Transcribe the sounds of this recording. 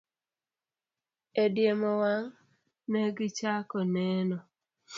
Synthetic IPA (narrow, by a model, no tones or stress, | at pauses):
edjemɔwaŋ | nɛɡɪt͡ʃakɔnɛnɔ